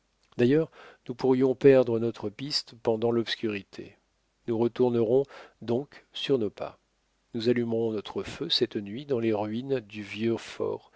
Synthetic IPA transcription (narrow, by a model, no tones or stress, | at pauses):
d̪ajœʁnupuʁjɔ̃pɛʁd̪ʁənɔt̪χəpist̪pɑ̃d̪ɑ̃lɔpskʲyʁit̪ʰḛ | nuʁət̪uʁnəʁɔ̃d̪ɔ̃ksyʁnopa̰ | nuzalymʁɔ̃nɔt̪χəføsɛt̪nɥid̪ɑ̃leʁɥind̪yvjøfɔ̰ːʁ